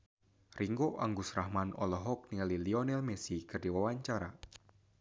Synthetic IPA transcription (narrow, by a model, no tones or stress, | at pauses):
riŋɡoʔaŋɡusrahmanɔlɔɦɔk̚niŋaliliɔnɛlmesikərdiwawaɲt͡ʃaɾa